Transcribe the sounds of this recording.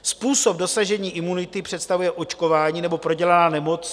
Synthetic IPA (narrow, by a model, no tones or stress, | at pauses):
spuːso̞p̚do̞saʒɛɲiːʔɪmunɪt̪ɪpr̝̥ɛt̪st̪avujɛʔo̞t͡ʃko̞vaːɲiːnɛbo̞pɾo̞ɟɛlanaːnɛmo̞t͡s